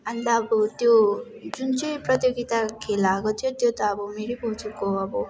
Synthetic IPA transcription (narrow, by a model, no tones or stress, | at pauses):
ʌnt̪ʌːbɔt̪jo | d͡zunt͡sʌjprʌt̪joɡit̪akʰelakot̪ʰijot̪jot̪ʌːbumeɾibut͡sukoʌbɔ